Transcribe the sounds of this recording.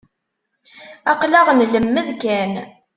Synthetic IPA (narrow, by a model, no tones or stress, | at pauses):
ɑqlɑʁnləmːəðkæn